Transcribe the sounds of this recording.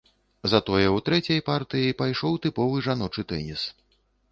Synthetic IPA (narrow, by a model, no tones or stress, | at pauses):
zat̪ɔjɛwt̪ɾɛt͡sʲɐjpart̪ɨjipajʂɔwt̪ɨpɔvɨʐan̪ɔt͡ʂɨt̪ɛ̰nʲis